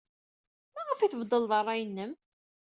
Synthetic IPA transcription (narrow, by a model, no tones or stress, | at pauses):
mæʁəfiθəvd̪ˤəlðˤɑrˤːɑjənːəm